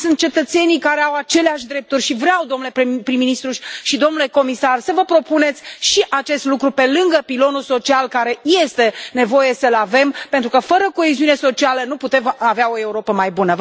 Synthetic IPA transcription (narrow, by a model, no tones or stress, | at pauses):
sunt̪̚t͡ʃe̞t̪ət̪se̞nijkaɾe̞awat͡ʃe̞leaʃʲd̪ɾe̞p̚t̪urʲʃivɾeawd̪o̞mnulepɾiminist̪ɾuʃid̪o̞mnule̞ko̞misarsəvəpɾo̞pune̞t̪sʲʃiʔat͡ʃe̞st̪lukɾupe̞lɨŋɡəpilo̞nulso̞t͡ʃialkaɾeje̞st̪e̞ne̞vo̞je̞səlave̞mpe̞nt̪ɾukəfəɾəko̞eziune̞so̞t͡ʃialənuput̪e̞maveao̞e̞uɾo̞pəmajbunə